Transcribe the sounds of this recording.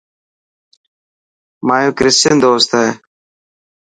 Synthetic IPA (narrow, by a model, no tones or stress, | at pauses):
maːjoːkɾɪstend̪oːst̪ae